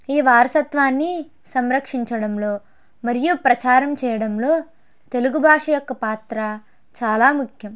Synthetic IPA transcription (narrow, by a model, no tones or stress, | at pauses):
iːʋaːɾɐsɐt̪ʋaːnːi | sɐmɾɐkʂiɲt͡ʃɐɽɐmlo̞ː | mɐɾijupɾɐt͡ʃaːɾɐmt͡ʃɛːjɐɽɐmlo̞ː | t̪e̞luɡubʱaːʂɐjɔkːɐpaːt̪ɾɐ | t͡ʃaːlaːmukʰjɐm